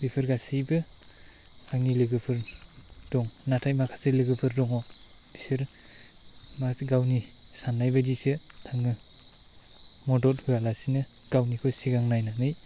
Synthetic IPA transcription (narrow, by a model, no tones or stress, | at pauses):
bipʰɯɾɡasibɯ | aŋilɯɡɯpʰɯɾ | dɔŋnatʰajmakʰasɯlɯɡɯpʰɯɾdɔŋɔ | b̥isɯɾ | maɡawni | sanːajbadisɯ | tʰaŋɯ | mɔdɔt̚hujalasinɯ | ɡ̥awnikʰɔsiɡaŋnajnanɯj